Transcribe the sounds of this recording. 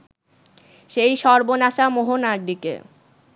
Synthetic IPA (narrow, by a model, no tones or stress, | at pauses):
ʃejʃɔɾbonaʃamoɦonaɾɖikḛ